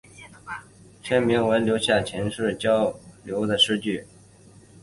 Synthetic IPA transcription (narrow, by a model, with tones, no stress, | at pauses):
t͡ɕʰɥɛ˥nmi˧˥ŋwe˧˥ɪljo˧˥ʊɕja˥˩t͡ɕʰjɛ˧˥nʂɻ̩˥˩t͡ɕjɑ˥ʊljo˧˥ʊd̪ə˨ʂɻ̩˥˧t͡ɕy˥˩